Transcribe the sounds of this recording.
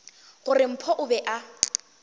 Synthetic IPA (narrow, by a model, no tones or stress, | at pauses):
ɣʊrɪm̩pʰɔʔʊbɛʔa